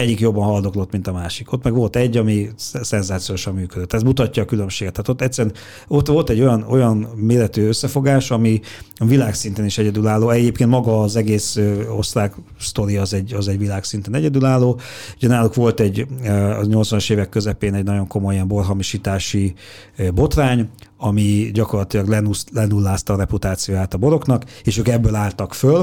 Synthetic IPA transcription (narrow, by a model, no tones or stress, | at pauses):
ɛɟːikjo̞bːɒnɦɒld̪o̞klo̞t̪ːmint̪ɒmaːʃiko̞t̪mɛɡʋo̞lt̪ɛɟːɒmisɛnzaːt̪sijoʃɒmːyːkød̪øt̪ːɛzmut̪ɒcːɒːkylømʃeːɡɛt̪ʰːaːt̪o̞t̪ːɛt̪sːɛɾɛn | o̞t̪ːʋo̞lt̪ɛɟːo̞jɒno̞jɒnmeːlɛt̪yːøsːɛfo̞ɡaːʃɒmiɒvilaːksint̪eːniʃɛɟɛd̪ylaːlːoːɛɟeːp̚kent̪mɒɡɒːzɛɡeːsøo̞̰sraːk | st̪o̞ɾijːzɛɟːɒzɛɟʋilaːksint̪ɛnɛɟɛd̪ylaːlːoːuɟɛnaːlukʋo̞lt̪ɛɟːɲo̞ltsʋɒnɒʃeːvɛkːøzɛpeːnɛɟnɒɟo̞ŋko̞mo̞jiɛmbo̞rɦɒmiʃiːt̪aːʃi | bo̞t̪raːɲɒmiɟɒko̞rlɒt̪ilɒɡlɛnulɛnulːaːst̪ɒɾɛput̪aːt̪sijoːjaːt̪ɒbo̞ɾo̞knɒkeːʃøːkɛbːølaːlt̪ɒkføl